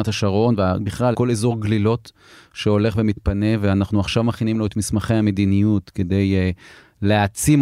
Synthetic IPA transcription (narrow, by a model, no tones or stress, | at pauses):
at̪aʃaʁo̞nveabiχlalko̞lezo̞ʁɡlilo̞t | ʃeo̞le̞χve̞mit̪pane̞veanaχnuaχʃavmaχinimloet̪mismaχejhame̞d̪inijut̪kede̞j | leat͡sim